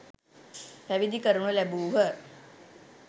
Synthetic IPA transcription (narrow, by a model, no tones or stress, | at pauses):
pæʋid̪ikəɾuɳəlæbuːɦə